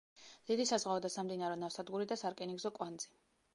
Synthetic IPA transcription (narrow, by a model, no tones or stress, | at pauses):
d̪̥id̪isazʁaɔd̪asamd̪inaɾɛnafsad̪ɡuɾid̪asaɾkʼɛniɡzɔkʼwand̪z̥i